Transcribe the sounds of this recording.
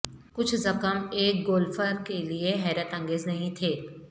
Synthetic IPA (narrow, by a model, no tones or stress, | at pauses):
kʊt͡ʃʰzɐkəmeːk̚ɡoːlfəɾkelieɦɛːɾət̪ɐ̃ŋɡeːznɐɦĩt̪ʰeː